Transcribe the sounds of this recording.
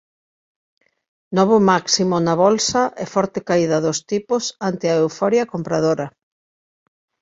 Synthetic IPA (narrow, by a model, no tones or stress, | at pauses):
nɔβ̞omaksimʊnɐβɔlsɐʔɛfɔɾt̪ekaiðɐðost̪ipʊsant̪ɪɐewfɔɾjɐkompɾað̞oɾɐ